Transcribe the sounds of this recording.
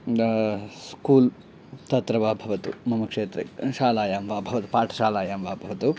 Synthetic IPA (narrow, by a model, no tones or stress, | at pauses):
skuːl | t̪ɐt̪ɾɐʋaːbʱɐʋɐt̪ṵmɐmɐkʂeːt̪ɾɐ̰ʃaːlaːjaːmʋaːbʱɐʋɐt̪u̥paːʈʰɐ̥ʃaːlaːjaːmʋaːbʱɐʋɐt̪u